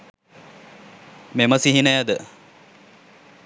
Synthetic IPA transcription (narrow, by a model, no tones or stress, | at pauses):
meməsiɦinəjəd̪ə